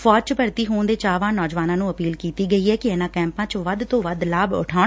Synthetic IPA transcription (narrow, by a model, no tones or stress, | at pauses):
fɔːt͡ʃpəɾt̪iːɦoːnd̪eːt͡ʃaːʋãːnɔːd͡ʒʋaːnãːnũːəpiːlkiːt̪iːɡəiːɛːkɪɛːnãːkɛ̃ːmpãːt͡ʃʋəd̪t̪õːʋəd̪laːbʊ̰ʈʰaː